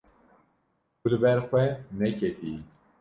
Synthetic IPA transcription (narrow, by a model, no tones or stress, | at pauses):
kulɨbɛɾxwɛnɛkʰɛt̪ʰi